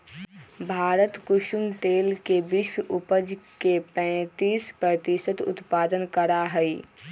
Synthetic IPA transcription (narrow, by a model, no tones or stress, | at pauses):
bʱaːɾət̪kʊʃʊmt̪eːlkebɪʃwʊpəd͡ʒkepɛ̃ːt̪iːspɾət̪ɪsət̪ʊ̰t̪paːd̪ənkəɾaɦɛi